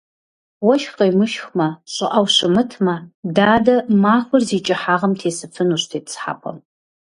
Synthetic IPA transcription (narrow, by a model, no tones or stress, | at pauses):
wɐʃχejmɨʃxmɐɕʼɨʔɐwɕɨmɨtʰmɐdaːdɐmaːxʷʊrziːt͡ʃʼɪħaːʁɐmtʰeːsɨfʰɨnuːɕtʰeːtsħa̰ːpʷʰɐ̰m